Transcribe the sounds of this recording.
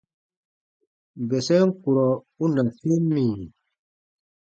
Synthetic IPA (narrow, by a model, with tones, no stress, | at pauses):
bɛ˨sɛ˦ŋ˦ku˨ɾɔ˨ | u˦na˨fe˦mːi˨